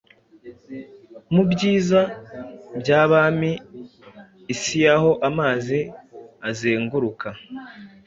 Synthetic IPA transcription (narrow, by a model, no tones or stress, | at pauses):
mubɟiːzabɟaːβaːmi | sijaho̞ʔamaːziazeːŋɡuɾuka